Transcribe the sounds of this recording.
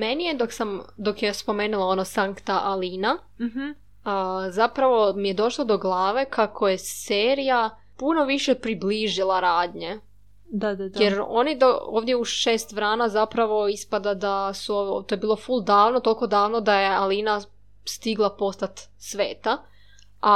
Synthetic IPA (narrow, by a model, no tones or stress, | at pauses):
menijed̪oksamd̪o̞kjespo̞meːnulˠao̞nosaŋkt̪aʔaliːna | əzapɾaʋo̞mije̞d̪o̞ʃlˠod̪o̞ɡlˠaːʋe̞kʰakʰo̞jeseːɾija | puno̞ʋiʃepɾibliːʒilˠaɾaːd̪ɲe | d̪ad̪ajeɾo̞̰nid̪ooːʋd̪je̞uʃe̞ːst̪ʋɾaːnazapɾaʋo̞ispad̪ad̪asuot̪oje̞biːlˠo̞fulˠd̪aːʋnot̪o̞lˠko̞d̪aːʋnod̪aje̞aliːna | st̪iɡlˠapo̞st̪at̪ | sʋe̞ːt̪a | ʔa